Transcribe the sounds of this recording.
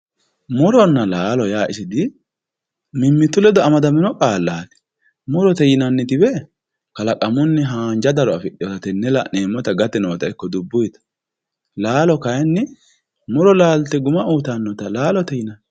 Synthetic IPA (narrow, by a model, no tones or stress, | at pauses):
mʊɾɔnːɐlaːlɔjaːʔɪsɪd̪ɪ | mɪmːɪt̪ːʊlɛd̪ɔɐmɐd̪ɐmɪnɔkʼaːlːaːt̪ɪ̥ | mʊɾɔt̪ɛjɪnɐnːɪt̪ɪbɛ | kɐlɐkʼɐmʊnːɛɦaːnd͡ʒɐd̪ɐɾɔɐfɪɗɪjɔt̪ɐt̪ɛnːɛlaneːmːɔt̪ɐɡɐt̪ɛnoːt̪ɐɪkːɔd̪ʊbːʊjt̪ɐ̥ | laːlɔkɐjnːɪ | mʊɾɔlaːlt̪ɛɡʊmɐuːt̪anːɔt̪ɐlaːlɔt̪ɛjɪnɐn